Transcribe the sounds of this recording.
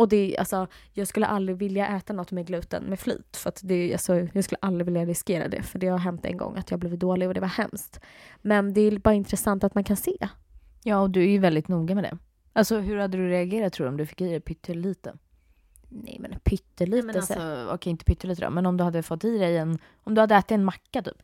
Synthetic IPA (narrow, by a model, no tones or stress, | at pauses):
ɔd̪ɛʔa̰lsɔjɑːɡskɵlːə̰ʔald̪ɾɪvɪljaʔɛːt̪anɔt̪ːmɛɡlʉ̟ːt̪ə̰nmɛfly̰ːt̪fœɾat̪d̪ɛalsɔjɑːɡskɵlːəʔald̪ɾɪvɪljaɾɪskeːɾa̰d̪ɛ̰fœɖɛaɡɦɛmt̪ːɛ̰ŋɡɔ̰ŋːat̪jɑːɡblɪːvt̪̚d̪oːlɪɡɔd̪ɛvahɛ̰mst̪mɛnd̪ɛbɑːɾaɪnt̪ɾɛsant̪at̪mankʰanseː | jɑːɔd̪ɵæɾjɵvɛld̪ɪt̪nuːɡamɛd̪ɛ̰ | alsɔɦɵɾhad̪ːəd̪ɵɾɛaɡeːɾat̪ʰːɾuːdɾɔmd̪ɵfɪ̥kːiːd̪ɛpʰʏt̪ʰːəlliːt̪ə̰ | nɛ̰jmɛ̰npʰʏt̪ːəlimɛnalsɔɔ̰kʰɛɪnt̪əpʰʏt̪ːəɾliːt̪əd̪ɔ̰mɛnɔmd̪ɵhad̪ːəfɔt̪ːiːd̪ɛjɛn | ɔmd̪ɵhad̪ːəɛːt̪ːt̪ɛnmakːat̪ʰy̰ːp